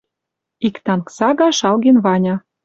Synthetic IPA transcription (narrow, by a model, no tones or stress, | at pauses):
ikt̪ɑnksɑɣɑʃɑlɣenβɑnʲɑ